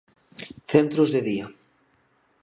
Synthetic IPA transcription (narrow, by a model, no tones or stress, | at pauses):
θent̪ɾozðeðia